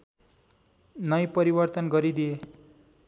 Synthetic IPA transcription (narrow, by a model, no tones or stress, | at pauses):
nʌjpʌɾibʌrt̪ʌnɡʌɾid̪ije